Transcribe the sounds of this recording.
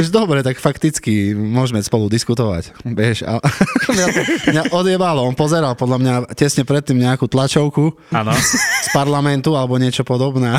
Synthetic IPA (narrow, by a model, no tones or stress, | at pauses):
uʒd̪ɔbɾɛt̪akfakt̪it͡skimʊɔʒmɛspɔlud̪iskut̪ɔʋa̰cʋɛʃa̰ɛkmɲamɲaʔɔd̪ɪɛbalɔɔnpɔzɛɾalpɔd̪ʎamɲacɛsɲɛpɾɛt̪ːimɲɛakut̪lat͡ʃɔʊku | anspaɾlamɛnt̪ualɛbɔɲɪɛt͡ʃɔpɔd̪ɔbnɛː